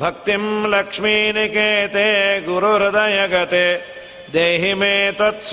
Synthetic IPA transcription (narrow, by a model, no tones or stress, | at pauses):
bʱɐk̚t̪imlɐkʂminikeːt̪eːɡuɾuɾɐd̪ɐjɐɡɐt̪e | d̪eːɦimeːt̪ɐt̪s